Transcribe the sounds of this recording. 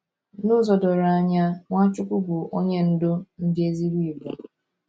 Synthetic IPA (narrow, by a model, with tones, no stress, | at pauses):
nʊ˦zɔ˨dɔ˨ɾa˨a˨ɲa˦ŋʷa˦t͡ʃʊ˦kʷʊ˦bʊ˨o˦ɲe˦n̩˦do˦n̩˦d͡ʒi˦e˦zi˦ɾi˦i˨bɔ˨